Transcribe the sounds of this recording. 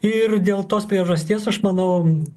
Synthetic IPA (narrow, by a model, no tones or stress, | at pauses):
ɪrd̪ʲeːlˠt̪oːspʲɾʲiɛʒɐsʲt̪ʲiɛsɐʃmɐnɐʊ